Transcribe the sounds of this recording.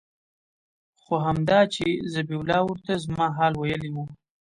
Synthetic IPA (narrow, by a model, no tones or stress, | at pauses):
xoɦamd̪ɑt͡ʃezabiwʊlɑwʊɾt̪azmɑɦɑlwajəliwu